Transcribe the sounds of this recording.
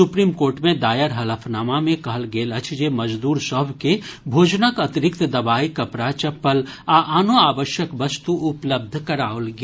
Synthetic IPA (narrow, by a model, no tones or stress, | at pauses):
sʊpɾiːmkoːɾʈmẽd̪aːjəɾɦɐləfʰnaːmamẽkɐɦəlɡeːlɐt͡ʃʰd͡ʒemɐd͡ʒd̪uːɾsɔɦbʱkebʱoːd͡ʒnəkɐt̪ɪɾɪkt̪d̪ɐbaːikɐpɾat͡ʃɐpːəlaʔaːnoaːʋəʃjəkʋɐst̪uʔʊpləb̚d̪ʱkɐɾaːolɡaː